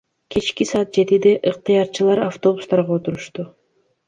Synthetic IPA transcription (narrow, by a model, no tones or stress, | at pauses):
kʰet͡ʃkisɑːt̪̚d͡ʒe̞t̪id̪eʔɯq̚t̪ɨjɑɾt͡ʃɯlˠɑɾaft̪o̞bust̪ɑɾʁɑot̪uɾuʃt̪u